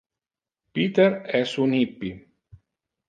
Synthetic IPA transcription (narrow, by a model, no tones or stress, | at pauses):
piːt̪əɾɛsunhipːi